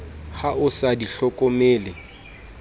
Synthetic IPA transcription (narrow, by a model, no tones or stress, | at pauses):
haʊsadiɬɔkʼɔmeːlɪ